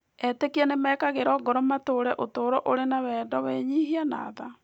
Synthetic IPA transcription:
ɛtekiɛnemɛkaɣeɾɔɡɔɾɔmatoɾɛʔotoːɾɔʔoɾenawɛːdɔweɲiɦiana̰ːða

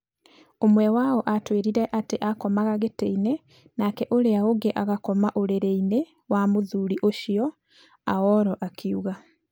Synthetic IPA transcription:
omwɛwaɔʔatweːɾiɾɛʔateʔakɔmaɣaɣeteine | nakɛʔoɾeaoɡeʔaɣakɔmaʔoɾeɾeine | wamoðuːɾiʔoʃiɔ | a̰ɔɾɔʔakʰiuɣa

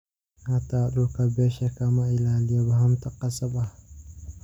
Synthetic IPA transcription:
hataːɗokabɛʃɛkamailalijabahamtaqasaba

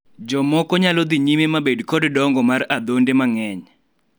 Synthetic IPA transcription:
d͡ʒɔmɔkɔɲalɔd̪iɲimemabedkɔddɔŋɡɔmarad̪ondemaŋɛɲ

